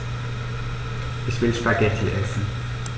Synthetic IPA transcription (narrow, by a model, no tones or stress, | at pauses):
ʔɪçv̥ɪlʃpaɡ̥ɛtʰl̩ʔɛsn̩